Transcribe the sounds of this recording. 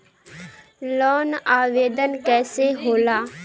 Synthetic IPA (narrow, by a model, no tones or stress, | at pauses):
lɔːnaːʋeːd̪ənkɛːseɦoːlaː